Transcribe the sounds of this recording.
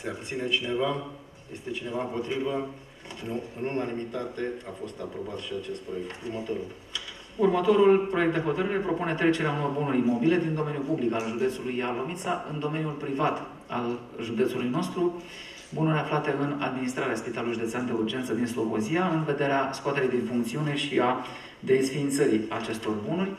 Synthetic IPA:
seabt̪sine̞t͡ʃine̞va | je̞̰st̪e̞t͡ʃine̞vaɨmpo̞t̪ɾivə | nuɨnunanimit̪at̪e̞afo̞st̪apɾo̞bat̪ʃiat͡ʃe̞st̪pɾo̞je̞k̚t̪urmət̪o̞ɾul | urmət̪o̞ɾulpɾo̞jk̚t̪d̪eɦo̞t̪əɾiɾe̞pɾo̞pune̞t̪ɾe̞t͡ʃe̞ɾeanumorbunuɾimo̞bile̞d̪ind̪o̞me̞nijupublikalʒud̪esulujːalo̞mit̪saʔɨ̰nd̪o̞me̞njulpɾivat̪ | al | ʒud̪e̞t̪sulujno̞st̪ɾu | bunuɾʲaflat̪e̞ɨna̰d̪minist̪ɾaɾeaspit̪aluliʒud̪eseand̪e̞urd͡ʒe̞nt̪səd̪inslo̞ko̞ziaɨnve̞d̪e̞ɾeaskoat̪e̞ɾijd̪infuŋkt̪siune̞ʃia | d̪e̞sfint̪səɾiat͡ʃe̞st̪o̞rbunurʲ

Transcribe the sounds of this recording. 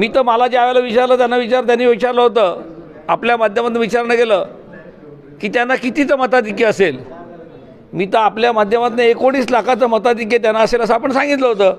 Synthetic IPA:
miːt̪əməlad͡ʑeaʋaləʋit͡ɕaɾləːt̪̬janːaʋit͡ɕaɾt̪janːiʋit͡ɕaɾləɦot̪əː | apljamad̪ʱjəmat̪nəʋit͡ɕaɾnəkelə | kiːt̪janːakit̪it͡səmət̪ad̪ikːeəsel | miːt̪əapljamad̪ʱjəmat̪nəekoɽ̃iːslakʰat͡səmət̪ad̪̬ik̬jet̪̬janːaəseləsəapəɳsãŋɡit̪ləɦot̪əː

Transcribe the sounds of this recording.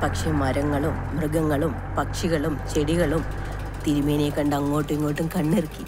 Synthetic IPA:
pɐkʂemɐɾɐŋːɐɭumːrɨɡɐŋːɐɭum | pɐkʂiɣɐɭumt͡ɕe̞ɽiɣɐɭum | t̪iɾumeːnekːɐɳɖɐŋːo̞ːʈːuiŋːoːʈːumkɐɳːirkːi

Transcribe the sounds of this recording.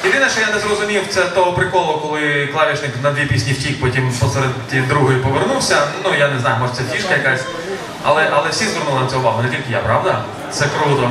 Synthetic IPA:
jid̪ɪnɐʃt͡ʃɔjanɛzrɔzʊmʲiwt̪sɛt̪ɔɦɔpɾɪkɔlˠɔɔkɔlˠɪklˠɑʋʲit͡ʃnɪknɐd̪ʋʲipʲisʲnʲiwtʲikpɔtʲimpɔsɛɾed̪ʲid̪ɾuɦɔjipɔʋernuwsʲɐnujanɛznɑjʊmɔʒt̪sɛtʲiʃkɐjɐkɑsʲ | ɐ̰lˠɛʔɐlˠɛwsʲizʋernʊlˠɪnɐt̪sɛjʊʋɑɦʊnɛtʲilʲkɪja̰pɾɑʋd̪ɐ | t̪sɛkɾut̪ɔ

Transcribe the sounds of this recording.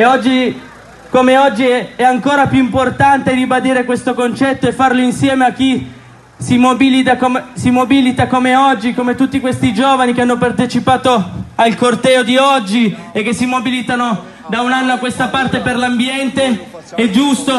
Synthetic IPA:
eɔd͡ʒːi | komeɔd͡ʒːiɛaŋkoːɾapjuimport̪ant̪eribad̪iːɾekwest̪okont͡ʃɛt̪ːoefːarloinsjɛːmeak̟ːi | simobilit̪akomesimobilit̪akomeɔd͡ʒːikomet̪ut̪ːikwest̪id͡ʒoːvanikeanːopart̪et͡ʃipaːt̪oalkort̪ɛːod̪iɔd͡ʒːiekːesːimobilit̪ano | d̪aunanːoakwest̪apart̪eperlambjɛnt̪eɛd͡ʒust̪o

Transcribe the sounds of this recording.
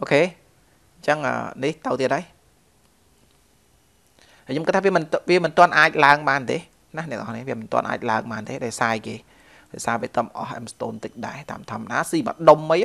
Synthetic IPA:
ʔoːkʰeː | ɲt͡ɕəŋə̰ːniht̪əwt̪iəɗaːj | hajɲoːmkɨt̪̚ʰːaːʋiəmɨnʋiəmɨnt̪ŏənʔaːc̚laəŋɓaːnt̪eː | nahnɛ̆əkʔɑhnihʋiəmɨnt̪ŏənʔa̰ːc̚laəŋɓaːnt̪eːɗaɛsaːjkeː | ɗɑ̰ːjsaːʋiət̪əmʔɑhʔɛmst̪oːnt̪əc̚ɗaɛt̪a̰ːmt̪ʰŏɔ̆əmːaɗaːsiːɓa̰ːɗomːɨj

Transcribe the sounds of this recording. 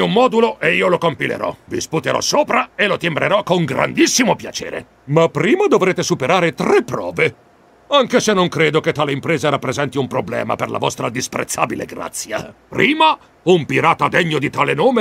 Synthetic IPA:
umːɔːd̪uloʔeiːolokompilḛɾɔ̰vḭsput̪eɾɔ̰sːoːpɾaelot̪imbɾʔeɾɔkoŋɡɾa̰nd̪isːimopjat͡ʃḛːɾḛ | mapːɾiːmad̪ovɾeːt̪esupeɾaːɾet̪ɾepːɾɔ̰ːve | aŋkesenːoŋkɾeːd̪oket̪ːaːleimpɾeːzaɾapːɾezɛnt̪iumpɾoblɛ̰ːma̰perla̰vɔst̪ɾad̪ispɾḛt̪sːa̰ːbilḛɡɾa̰t̪sːja̰pɾʔiːma | umpiɾaːt̪ad̪eɲːod̪it̪aːlenoːme

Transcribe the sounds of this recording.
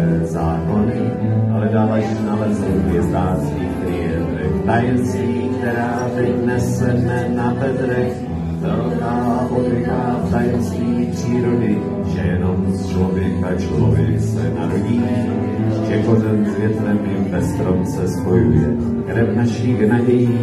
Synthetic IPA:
ɛzaːko̞nɪ | ʔalɛdaːvainalɛzɛvjɛzd̪aːt͡sɲipɾiːɾodɪt̪ajɛnt͡siːkt̪ɛɾaːvɪnɛsɛnɛnapɛt̪ɾɛx | zaɾonaːvaːvodɾɪkaːft̪ajɛnt͡s | iːpr̝̥iːɾodɪ | ʒɛjɛnomst͡ʃlovjɛkat͡ʃlo̰vɪsɛ̰naɾoɟiː | ʒɛkozɛmzvjɛt̪ɾɛmibɛst̪ɾomt͡sɛspo̞jujɛ | kɾɛvnaʃɪɣnaɟɛji

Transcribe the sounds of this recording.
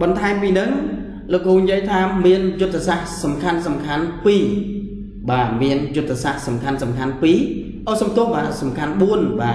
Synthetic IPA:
ɓɑnt̪ʰaɛmpiːnɨŋ | loːkːoːɲjiəjt̪ʰaːmiənjʊt̪ːesaʔsɑmkʰansɑmkʰanpiː | ɓaːmiənjʊt̪ʰːesaʔsɑmkʰansɑmkʰanpiː | ʔəːsɑmt̪ʊ̆əhɓaːsɑmkʰanɓuənɓaː

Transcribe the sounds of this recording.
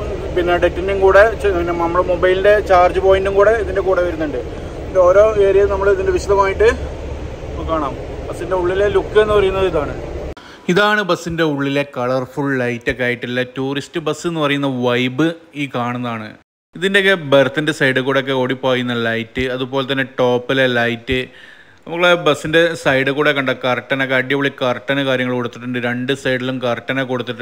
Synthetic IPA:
pinːeɖetːindeŋkuːɽe̞inːemɐmːɐɭemobɐjlinde̞t͡ɕaːrd͡ʑɨpo̞ːjinduŋkuːɽe̞iðinde̞kuːɽeʋɐɾunːuɳɖɨ | indeo̞ːɾo̞ːeːɾijɐnɐmːɐɭiðinde̞ʋiɕɐðɐmaːjiʈːɨ | kaːɳaːmbɐsːinde̞uɭːilelukːɨenːɨpɐrɐjunːɐðiðaːɳɨ | iðaːɳɨbɐsːinde̞uɭːile̞kɐɭɐrfuɭːɐjtːokʲːaːjiʈːilːɐtuːristɨbɐsːɨe̞nːɨpɐrɐjunːɐʋɐjbɨiːkaːɳunːɐðaːɳɨ | iðindekːebɐɾɐt̪ːindesɐjɖɨkuːɽeok̬ːeo̞ːɽipːoːjunːɐlɐjtːɨɐðupo̞ːlet̪̬ːɐnːe̞ʈo̞ːpːilelɐjtːɨ | nɐmukːɭebɐsːinde̞sɐjɖɨkuːɽekːɐɳɖɐkɐrʈːɐnɐokːeɐɖjɐʋuɭːikɐrʈːɐnɐkaːɾjɐŋːɐɭko̞ɽut̪ːiʈːuɳɖɨɾe̞ɳɖɨsɐjɽilumkɐrʈːɐnɐko̞ɽut̪ːiʈː

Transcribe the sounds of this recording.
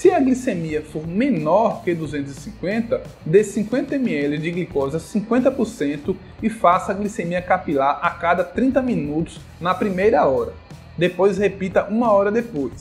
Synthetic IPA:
sɪɐɡlisemiɐfoɾmẽnɔɾked̪uzẽnt̪ʊzɪsĩŋkwẽnt̪ɐd̪esĩkwẽnt̪ɐẽmiɛlɪd͡ʒɪɡlikɔzɐsĩkwẽnt̪ɐpoɾsẽnt̪ʊ | ɪfasɐːɡlisemiɐkapilaɾakad̪ɐt̪ɾĩnt̪ɐmĩnut̪ʊ̥s | nɐpɾimejɾɐɔɾɐ | d̪epojshepit̪ɐʔũmɐɔɾɐd̪epojs

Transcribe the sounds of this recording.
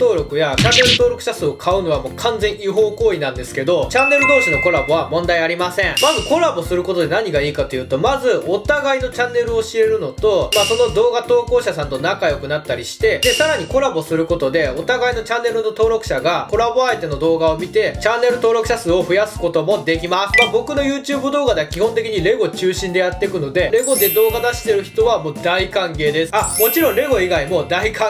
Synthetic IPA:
t̪o̞ːɾo̞kɯ̟jat͡ɕãnːe̞ɾɯ̟t̪o̞ːɾo̞kɯ̟ɕasɨːo̞kʰaɯ̟no̞βamo̞ːkʰãnzẽ̞ɰ̃iɦo̞ːkoːinãnd̪e̞sɨ̥ke̞d̪o̞t͡ɕãnːe̞ɾɯ̟d̪o̞ːɕino̞ko̞ɾabo̞β̞amõ̞nd̪aiaɾʲimasẽ̞ɴ̃mazɨko̞ɾabo̞sɨɾɯ̟ko̞t̪o̞d̪e̞naɲ̟iɡaiːkat̪o̞jɯ̟ːt̪o̞mazɨot̪aɡaino̞t͡ɕãnːe̞ɾɯ̟o̞ɕie̞ɾɯ̟no̞t̪o̞maso̞no̞d̪o̞ːɡat̪o̞ːko̞ːɕasãnt̪o̞nakajo̞kɯ̟nat̪ːaɾʲiɕi̥t̪e̞d̪e̞saɾaɲ̟iko̞ɾabo̞sɨɾɯ̟ko̞t̪o̞d̪e̞o̞t̪aɡaino̞t͡ɕãnːe̞ɾɯno̞t̪o̞ːɾo̞kɯ̟̥ɕaɡako̞ɾabo̞aet̪e̞no̞d̪o̞ːɡao̞mʲit̪e̞t͡ɕãnːe̞ɾɯ̟t̪o̞ːɾo̞kɯ̟ɕasɨːo̞ɸɯ̟jasɨ̥ko̞t̪o̞mo̞d̪e̞kʲimasɨ̥mabo̞kɯ̟no̞jɯ̟ːt͡ɕɨːbɯ̟d̪o̞ːɡad̪e̞kʲihõ̞nt̪e̞kʲiɲ̟iɾe̞ɡo̞t͡ɕɨːɕĩnd̪e̞jat̪ːe̞kɯ̟no̞d̪e̞ɾe̞ɡo̞d̪e̞d̪o̞ːɡad̪aɕi̥t̪e̞ɾɯ̟çi̥t̪o̞βamo̞ːd̪aikãŋke̞ːd̪e̞sɨ̥amo̞t͡ɕiɾõ̞ɾe̞ɡo̞iɡaimo̞d̪aikã

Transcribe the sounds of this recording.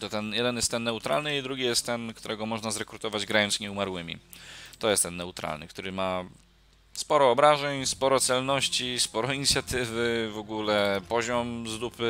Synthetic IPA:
t̪ɔt̪ɛnjɛd̪ɛnjɛst̪ɛnːɛut̪ɾa̰lnɘid̪ɾuɡʲijɛst̪t̪ːɛnkt̪uɾɛɡɔmɔʐnazɾɛkɾut̪ɔvad͡ʑɡɾajɔnsɲɛumaɾwɘmʲḭt̪ɔjɛst̪ɛnːɛut̪ɾa̰lnɘkt̪uɾɘma | spɔɾɔːbɾaʐɛɲspɔɾɔt̪sɛlnɔɕt͡ɕispɔɾɔiɲit̪sʲjat̪ɘvɘvɔɡulɛpɔʑɔmzlupɘ

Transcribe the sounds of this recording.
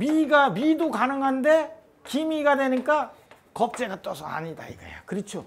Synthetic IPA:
miɡamidokanɯŋɦande̞ | kimiɡadwenɯnk͈a | kʌp̚t͡ɕ͈e̞ɡat͈ʌsʰʌa̰ɲida̰ḭɡa̰ja̰kɯɾɯt͡ɕʰo

